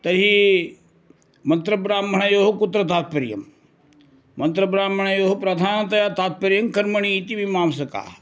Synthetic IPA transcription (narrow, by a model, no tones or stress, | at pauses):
t̪ɐɾɦi | mɐ̃nt̪ɾɐbɾaːmːʱɐɳɐjoːɦokʊt̪ɾɐt̪̬aːt̪̚pɐɾjɐ̰m | mɐnt̪ɾɐbɾaːmːɐɳ̃ɐjoːɦopɾɐd̪ʱaːnɐt̪ɐjaːt̪aːt̪̚pɐɾjɐmkɐɾmɐɳ̃iːt̪ibʱimaːmsɐka̰ː